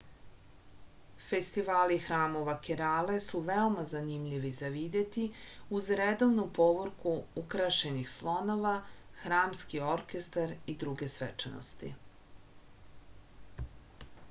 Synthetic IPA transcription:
fe̞st̪iʋaːlixɾaːmo̞ʋakeɾaːle̞suʋeo̞mazanimʎiʋizaʋid̪e̞t̪iuzɾed̪o̞vnupo̞ʋoɾkuukɾaʃe̞nixslˠo̞no̞ʋaxɾaːmskio̞ɾke̞st̪aɾid̪ɾuɡesʋet͡ʂeno̰st̪ḭ

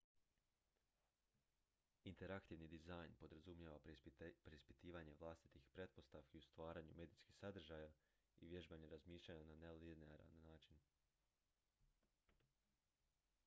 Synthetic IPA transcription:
int̪e̞ɾakt̪iʋnid̪izajnpo̞d̪ɾazumjeʋapɾeispi̥t̪iːʋaɲe̞ʋlˠaːst̪i̥t̪ixpɾe̞t̪̚po̞st̪aʋkiust̪ʋaːɾaɲume̞d̪iskixsad̪r̩ʒaja | iʋje̞ʒbaɲeɾazmiːʃlʎaɲananelineaɾa̰lnːaːt͡ʃin

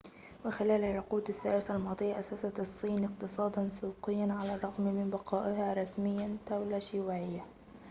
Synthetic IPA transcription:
wɪxɪlaːlaʕːʊquːd̪aθːa̰ːɾɪsalmɑːd̪ˤɨjːaʔasasat̪ɑsˤːiːnʔɪq̚t̪ɨsˤɑːd̪ɑnsuːqɪjːanʕalarˤːɑɣmmɪnbɑqɑːʔɪhaːɾˤɑsmɪjːant̪awlaʃɪwaʕɪjːa

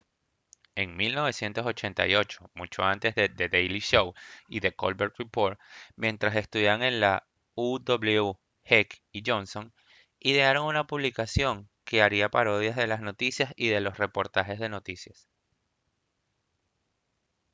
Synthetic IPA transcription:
e̞ŋmilno̞βe̞sje̞nt̪o̞so̞t͡ʃe̞nt̪a̰jo̞t͡ʃo̞mut͡ʃo̞̰ant̪e̞zðed̪e̞ðejliʃo̞wiðe̞ko̰lβeɾt̪ripoɾt̪mjẽ̞nt̪ɾase̞st̪uðjaβaŋe̞nla | ud̪oβleu | hek | iʝo̞nso̞ŋ | iðe̞aɾo̞ŋunapuβlikasjo̞ŋke̞aɾiapaɾo̞ð̞jazðe̞lasno̞t̪isjasiðe̞lo̞sre̞po̞ɾt̪axe̞zðe̞no̞t̪isjas

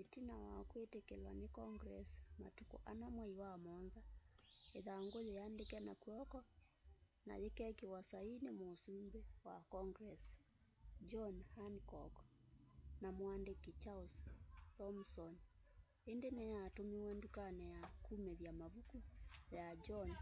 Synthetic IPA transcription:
ɛtinawa̰kuetɛkɛlwa̰nikɔŋɡɾɛsma̰tukɔ̰ʔanamwaiwamɔnzaɛðaŋɡolɛjandɛkɛnakuɔkɔ | na̰jɛkɛkewasainemosumbɛwa̰kɔŋɡɾɛs | d͡ʒɔnhankɔ̰k | namwandɛkit͡ʃaustɔmsɔn | endenɛjatomiwɛndukanɛjakumɛðjamaβukujad͡ʒɔn

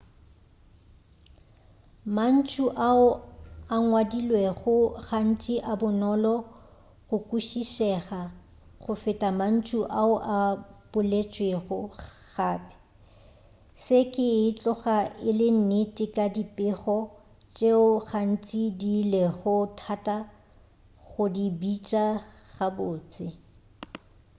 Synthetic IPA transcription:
man̩t͡ʃʰuʔaʊaŋwadilwɛɣʊχan̩t͡ʃʼiʔabʊnɔlɔ | ɣʊkʼuʃiʃɛɣa | χʊfɪtʼaman̩t͡ʃʰuʔaʊʔab̥ʊlet͡ʃʼweɣʊχaːpʼɛ̥ | sɪkʼɪːt͡ɬʼɔχaɪlɪn̩netʼɪkʼadipʼɪχɔ | t͡ʃʼeʊɣan̩t͡ʃʼidilɛɣʊtʰatʼa | ɣʊdibit͡ʃʼaɣabʊːt͡sʼɪ

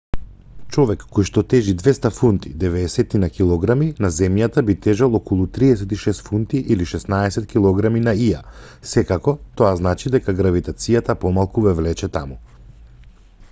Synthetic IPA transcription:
t͡ʃɔvɛkːɔjʃt̪ɔt̪ɛʒid̪vɛst̪afunt̪id̪ɛvɛːsɛt̪inakilˠɔɡɾaminazɛmjat̪abit̪ɛʒalˠɔkɔlˠut̪ɾiɛsɛt̪iʃɛst̪funt̪iʔiliʃɛsnaɛsɛt̪kʲilˠɔɡɾaminaiasɛkakɔt̪ɔaznat͡ʃid̪ɛkaɡɾavit̪at̪sijat̪apɔmalˠkuvɛvlɛt͡ʃɛt̪amu

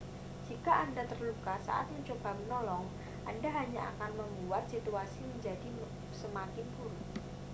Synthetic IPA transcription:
d͡ʒ̥ikaʔandat̪ərlukasa̰ʔa̰t̪̚məɲt͡ʃob̥a̤mənɔlɔŋ | ʔandaɦaɲaʔa̰kanməmbuat̪̚sit̪uasiməɲd͡ʒadi | səmakɪnpuɾʊ

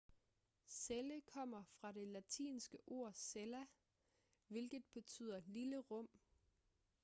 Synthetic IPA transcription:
seləkʰɒ̽m̰ɐfʁɑ̈ɾe̝læt͡sʰḭːnsɡ̥əʔo̝ɐ̰selæ | ʋe̝lɡ̥ð̩ˠb̥e̝t͡sʰy̰ð̰ˠɐliləʁɔ̽m̰

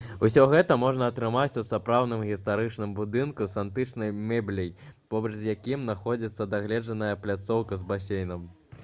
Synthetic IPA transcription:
usʲɔɣɛt̪ɐmɔʐnɐːt̪ɾɨmat͡sʲusapɾawnɨmɣʲist̪aɾɨt͡ʂnɨmbud̪ɨnkusant̪ɨt͡ʂnɐjmɛblʲijpɔbɐt͡ʂzʲjakʲimnaxɔd͡zʲit̪sːɐd̪aɣlʲɛʐɐnɐjɐplʲat̪sɔwkɐzbasʲejnɐm

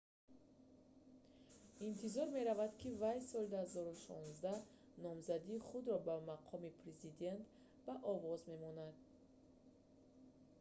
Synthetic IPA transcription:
int̪ʰizɔɾme̞ɾavad̪kʰivajsɔld̪uhazɔɾuʃɔnzd̪a | nɔmzad̪iːχud̪ɾɔbamaqʰɔmipʰɾezid̪e̞nt̪ | baʔɔvɔzme̞mɔnad̪̚

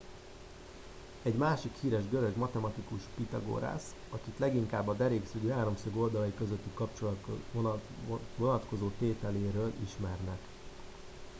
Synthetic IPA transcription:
ɛɟmaːʃikhiːɾɛʒɡøɾø̞ɡmɒt̪ɛmɒt̪ikuʃpit̪ɒɡo̰ːɾa̰ːsɒkit̪lɛɡiŋkaːbːɒd̪ɛɾeːksyɡyɦaːɾo̞msøɡo̞ld̪ɒlɒjikøzøt̪ːikɒpt͡ʃol | vonɒt̪ko̞zoːt̪eːt̪ɛleːɾøːlʔiʃmɛrnɛk

